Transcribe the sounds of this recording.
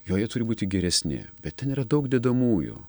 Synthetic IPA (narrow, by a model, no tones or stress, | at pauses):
joːjɛt̪ʊɾʲɪbuːt̪ʲɪɡʲɛɾʲɛsʲnʲɪ̰bʲɛt̪ʲtʲɛniːɾɐd̪ɐʊkd̪ʲɛd̪ɐmuːjʊ̰